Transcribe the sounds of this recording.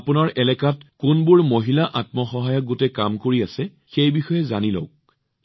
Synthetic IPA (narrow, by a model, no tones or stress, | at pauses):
apʊnaɹʔɛlɛkatkʊnbʊɹmoɦilaʔat̚mɔxɔɦajɔk̚ɡotɛkamkoɹiasɛ | xejbixɔjɛzanilo̰k̚